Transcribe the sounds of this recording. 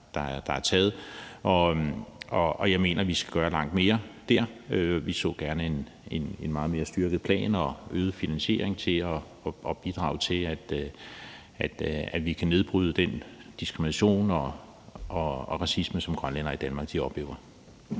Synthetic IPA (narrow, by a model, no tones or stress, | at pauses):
d̥ɑ̈æɐd̥ɑ̈æɐt͡sʰɛːð̞̩ˠʔɒ̽ | ɒɒ̽jɑ̈ɪme̝̰ːnʔɐʋisɡ̥æ̥ɡ̥ɶːɐlɑ̈ŋ̰d̥me̝ːɐd̥æɐ̰øʋisɔ̰̽ːɡ̥æɐnəe̝n | enenmɑ̈ːð̞̩ˠme̝ːɐsd̥yɐɡ̥ð̩ˠpʰlɛ̰ːnɒøːðˠəfinænɕe̝̰ɐ̰eŋt͡sʰe̝lɒ | ɒ̽ʔɒ̽b̥id̥ʁɑ̰̈ːʊt͡sʰe̝læd̥ | æd̥æ̥ʋikʰæne̝ð̞ˠb̥ʁyːð̞ˠəd̥end̥isɡ̥ʁiminæɕo̝̰ːnɒ | ʔɒɒʁɑ̈sisməsɒ̽mɡ̥ʁɶnlenɐid̥ænmɑ̈ːɡ̥̚d̥iɒ̽b̥le̝̰ːʊɐ